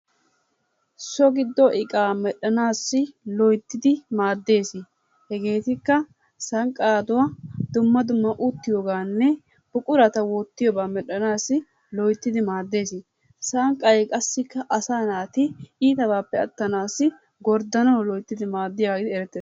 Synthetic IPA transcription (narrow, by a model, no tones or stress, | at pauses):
sɔɡɪd̪ːɔʔɪkʼaːmɛɗɐnaːsːɪlɔjt̪ːɪd̪ɪmaːd̪ːe̞ːsɪ | hɛɡe̞ːt̪ɪkːɐ | sɐŋkʼaːd̪ʊwad̪ʊmːɐd̪ʊmːɐʔʊt̪ːɪjoːɡaːnːɛ | b̥ʊkʼʊɾɐt̪ɐwɔt̪ːɪjɔbaːmɛɗɐnaːsːɪ | lɔjt̪ːɪd̪ɪmaːd̪ːe̞ːsɪ | sɐŋkʼːɐjɛkʼɐsːɪkːɐʔɐsaːnaːt̪ɪiːt̪ɐbaːpːɛɐ̰t̪ːɐnaːsːɪ | ɡɔɾd̪ɐnɐwlɔjt̪ːɪd̪ɪmaːd̪ːɪjaːɡɪd̪ɪɛɾɛt̪ːeːs